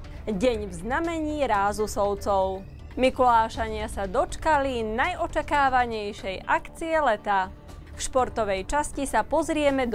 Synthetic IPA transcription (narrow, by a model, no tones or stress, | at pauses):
ɟɛɲvznamɛɲiːɾaːzusɔʊt͡sɔʊ | mikulaːʃaɲɪasad̪ɔt͡ʃkalinajɔt͡ʃakaːʋaɲɛjʃɛjʔakt͡siɛlɛt̪a | fʃpɔɾt̪ɔʋɛjt͡ʃascisapɔzɾɪɛmɛd̪